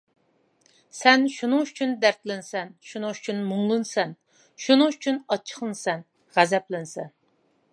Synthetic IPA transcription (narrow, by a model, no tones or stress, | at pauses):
sɛnʃunɨŋyt͡ʃʰynd̪æɾt̪lɪnsɛnʃunɨŋyt͡ʃʰynmʊŋlˠɨnsɛn | ʃunɨŋyt͡ʃʰynɑt͡ʃʰːə̥χlˠɨnsɛn | ʁæzɛplɪnsɛn